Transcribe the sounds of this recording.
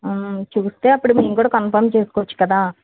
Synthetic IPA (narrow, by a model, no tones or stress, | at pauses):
t͡ʃuːst̪e̞ːɐpːuɽumeːmkuːɽaːkɐnpʰɐɾmt͡ʃe̞ːsu̥kːʋɐt͡ʃːu̥kɐd̪aː